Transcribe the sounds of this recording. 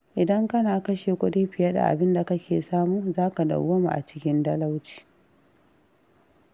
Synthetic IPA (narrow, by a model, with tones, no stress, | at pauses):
ʔɪ˨dɐ˦ŋkɐ˦naː˨kɐ˦ʃeː˨kʷʊ˦deː˦ɸɪ˨ja˦da̰˨ʔa̰˨bɪ˦nda˨kɐ˦kʲeː˨saː˦muː˦zaː˦ka˨da̰˨wo˦mṵ˨ʔa̰˨t͡ʃɪ̥˦kʲɪ˦ndɐ˦la˦wt͡ʃi̥ː˨